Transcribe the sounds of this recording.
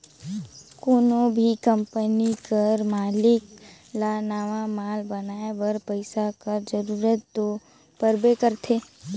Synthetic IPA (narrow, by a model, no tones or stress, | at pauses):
koːnõbʱikə̃mpənikəɾmaːlɪk | lanaːʋamaːlbənaːebəɾpəɪsakəɾd͡ʒəɾuːɾət̪ːo | pəɾbekəɾt̪ʰeː